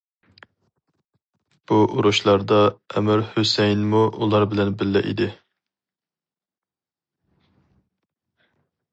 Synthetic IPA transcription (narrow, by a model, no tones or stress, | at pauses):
b̥uʔuɾuʃlˠɑɾd̪ɑɛmɪɾhøsɛjnmuulˠɑɾbɪlɛnbɪlːɪ̰ʔḭd̪ɪ